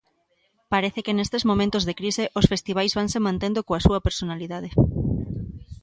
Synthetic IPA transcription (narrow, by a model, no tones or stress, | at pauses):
paɾeθekɪnest̪ezmõmẽnt̪ozðekɾiseʔosfest̪iβajzβaŋsemãnt̪ẽnd̪okoasuɐpeɾsonaliðað̞ɪ